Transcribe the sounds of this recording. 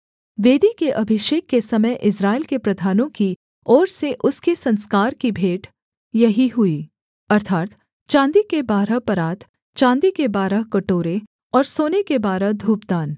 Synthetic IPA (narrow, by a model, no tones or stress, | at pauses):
ʋeːd̪ikeʔɐbʱɪʃeːkːesɐməjʔɪsɾaːɪlkepɾɐd̪ʱaːnõki | ɔːɾseʔʊskesɐ̃nskaːɾkibʱeːʈ | jɐɦiɦʊiː | ɐɾt̪ʰaːt̪ | t͡ʃãːnd̪ikebaːɾəpɐɾaːt̪ | t͡ʃãːnd̪ikebaːɾəkɐʈoːɾe | ɔːɾsoːnekebaːɾəd̪ʱuːpd̪aːn